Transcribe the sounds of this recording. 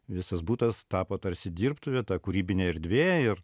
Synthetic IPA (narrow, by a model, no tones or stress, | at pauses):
ʋʲɪsɐsbuːt̪ɐst̪ɑːpoːt̪ɐrʲsʲɪd̪ʲiːrpt̪ʊʋʲɛt̪ɑːkʊɾʲiːbʲɪnʲɛɪɾʲd̪ʲʋʲeːjɛɪr